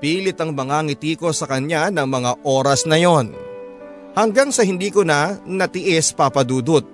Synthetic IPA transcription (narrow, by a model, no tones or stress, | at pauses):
piːlɪt̪ɐŋmɐŋaŋɪt̪iːko̞sɐkɐnanɐŋmɐŋaʔo̞ːɾɐsnɐjo̞n | hɐŋɡaŋsɐhɪnd̪iːkonɐnɐt̪ɪʔɛspapɐd̪uːd̪ʊt̪̚